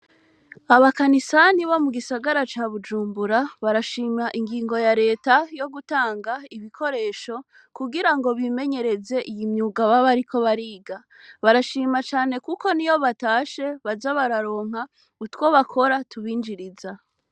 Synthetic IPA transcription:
aβakanisaniβomuɡisaɡaɾat͡ʃaːβud͡ʒuːmbuɾaβaɾaʃiːmaʔiŋɡiːŋɡo̞jaɾe̞ːtajo̞ɡutaːŋɡaiβikʰo̞ɾe̞ːʃo̞ | kuɡiɾaŋɡo̞βime̞ɲe̞ɾe̞ze̞ʔijimɲuːɡaβaβaɾikʰo̞βaɾiːɡa | βaɾaʃiːmat͡ʃaːne̞kuko̞nijo̞βataːʃe̞βazaβaɾaɾo̞ːŋ̥ha | utwo̞βakʰo̞ɾatuβiːnd͡ʒiɾiza

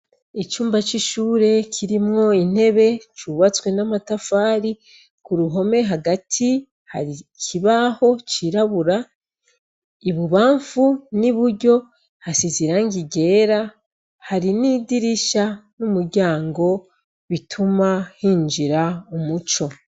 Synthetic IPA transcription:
it͡ʃuːmbat͡ʃiʃuːɾe̞kʰiɾimŋo̞in̥e̞βe̞t͡ʃuːβat͡swe̞namatafaːɾi | kuɾuɦo̞me̞ɦaɡatʰi | ha̰ɾikʰiβaho̞t͡ʃiɾaβuɾa | iβuβaːɱfuniβuɾɟo̞ | hasiziɾaŋɡiɡe̞ːɾa | haɾiniːdiɾiʃanumuɾɟaːŋɡo̞ | βitʰumahiːnd͡ʒiɾaumut͡ʃo̞

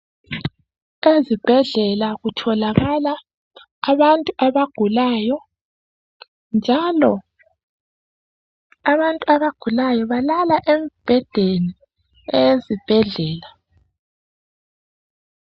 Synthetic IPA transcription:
ezib̥ʱɛɮɛlaɣutʰɔlaɣalaː | βantʼuʔaβaɡ̥ʱulaːjɔ | nd͡ʒʱalɔ | aβantʼuaβaɡ̥ʱulajɔβalalaʔemb̥ʱɛd̥ʱeni | ejezib̥ʱɛɮɛːla

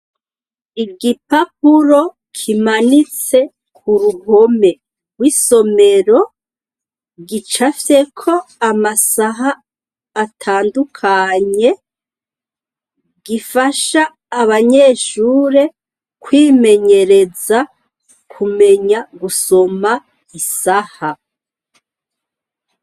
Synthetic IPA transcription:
iɡipapuɾo̞ | kʰimanit͡se̞ | k̚ʰuɾuho̞me̞ | ɡwiso̞me̞ɾo̞ | ɡit͡ʃafe̞kʰo̞amasaɦaː | tʰaːndukʰaɲe̞ | ɡifaʃaː | βaɲe̞ːʃuːɾe | kwime̞ɲe̞ɾe̞za | kʰume̞ɲaɡuso̞ma | isaha

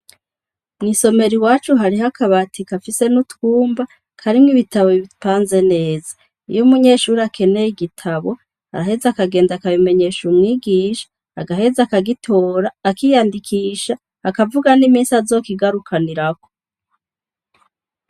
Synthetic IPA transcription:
mniso̞me̞ɾiwaːt͡ʃuɦaɾihakʰaβatʰikafise̞nutkuːmba | kʰaɾimŋiβitaβoiβipaːnze̞ne̞ːza | ḭjumuɲe̞ːʃuːɾiakʰe̞ne̞jiɡitʰaβo̞ | ha̰ɾaɦe̞zakaɡeːndakaβime̞ɲe̞ːʃumŋiːɡiːʃḁ | aɡaɦe̞zakaɡitʰoːɾaːkijandikʰiːʃaː | kavuɡanimiːnsazo̞ːkiɡaɾukʰaniɾako̥

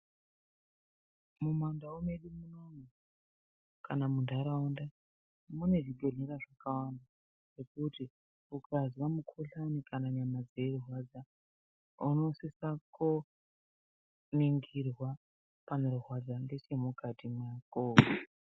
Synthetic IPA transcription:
mumandaomeɗimunome | kanamundʱaɾaunda | mune̞ʐiɡʱoneɾaʐakawanda | ʐ̥ekuti | ukaziwamukʰoɬanikanaɲamad͡zeruɦwad͡za | uno̞sisako | niŋɡirwa | pane̞ɾuɦwad͡zandet͡ʃe̞mukʰatimwaːkoː

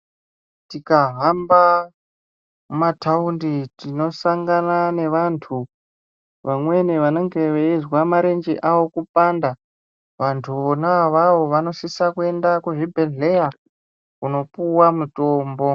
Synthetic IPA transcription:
tikaɦamba | mataunditino̞saŋɡanane̞ʋantʰu | ʋamwe̞neʋano̞ŋɡe̞ʋeizwamaɾe̞nd͡ʒḛʔawo̞kupanda | ʋantʰuonaʋaʋo̞ʋano̞sisakue̞ndakuʐibʱe̞ɮe̞ja | kuno̞puwamuto̞ːmbo̞

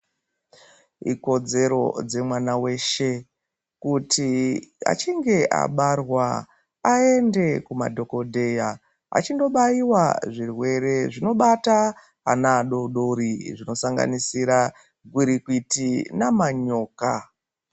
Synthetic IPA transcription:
ḭko̞d͡ze̞ɾo̞̰d͡ze̞mwanawe̞ːʃe̞ | kutʰia̰t͡ʃiŋɡe̞ʔa̰ɓarwa | aende̞kuma̰dʱo̞ko̞dʱe̞ja | a̰t͡ʃindo̞ɓajiwaʐirwe̞ɾe̞ʐino̞ɓata | a̰naːɗo̞ɗoɾiʐino̞saŋɡa̰nisiɾa | ɡʱwiɾikuitinamaɲo̞ːka

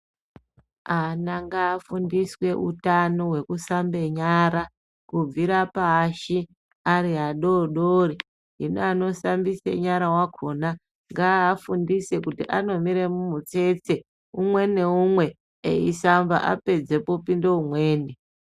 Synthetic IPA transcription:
anaŋɡaːfundiswe̞ʔṵtanowe̞kusambe̞ɲaɾa | kub͡viɾapaʃi | aɾiɦaɗoɗori | ɦinoano̞sambisḛɲaɾawakʰo̞na | ŋɡaːfundise̞kutiʔano̞miɾemumut͡se̞t͡se | umwe̞neumwe̞ | ḛisamba̰ʔa̰pe̞d͡ze̞popindeumwe̞ːne

